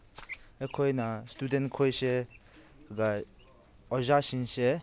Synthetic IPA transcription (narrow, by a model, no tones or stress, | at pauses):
ekʰojnastudentkʰojse | ɡa | ɔzasinse